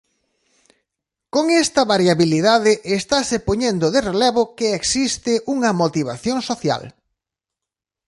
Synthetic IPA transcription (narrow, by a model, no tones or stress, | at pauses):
koŋɛst̪ɐβaɾjaβiliðaðɪʔest̪asepoɲend̪oðerelɛβokeeksist̪ɪʔuŋɐmot̪iβaθjoŋsoθja̰l